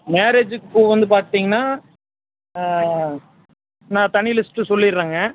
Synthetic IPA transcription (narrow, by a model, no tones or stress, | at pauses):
meːɾed͡ʒɯkːkːuʋɐnd̪ɯp̬aːɾt̪ːiːŋɡɐnːaː | nãːt̪ɐɳɪlɪsʈɯsɔlːɪɾːaːŋɡɐ